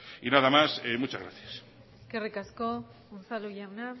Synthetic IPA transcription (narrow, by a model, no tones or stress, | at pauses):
inaðamasemut͡ʃazɣɾaθjas | eske̞rikasko | onθaluʝawna